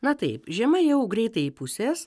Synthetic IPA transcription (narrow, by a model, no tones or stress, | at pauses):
nɐt̪ɐɪpʒʲɛmɐjɛʊɡɾʲɛɪt̪ɐɪipʊsʲeːs